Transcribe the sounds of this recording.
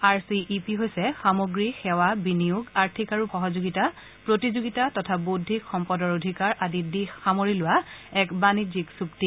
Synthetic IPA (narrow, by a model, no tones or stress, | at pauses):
aɹsiʔːpiɦojsɛxamoɡɹixɛwabinijuɡaɹtʰikaɹuxɔɦɔzoɡita | pɹotizuɡitatɔtʰabudʱːikxɔmpɔdɔɹodʱikaɹʔadidixxamoɹilʊwaɛkbaniziksuk̚ti